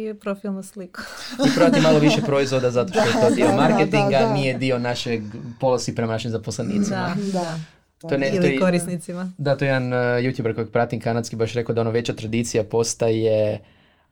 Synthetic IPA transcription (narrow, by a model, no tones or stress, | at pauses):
ipɾofilˠnusliku̥ipɾoat̪imaloʋiʃepɾo̞izʋo̞d̪azat̪o̞ʃt̪oet̪o̞d̪iomaɾket̪iŋɡanije̞d̪io̞naʃeɡpo̞lˠosipɾemanaʃimzaposlenḭt̪sima | t̪ojneojoɾisnit̪simad̪at̪o̞jed̪anjut̪jubɾko̞jaɡ̚pɾat̪imkanat̪skibaʃɾe̞kod̪ao̞naʋe̞t͡ɕat̪ɾad̪it̪sijapo̞st̪aje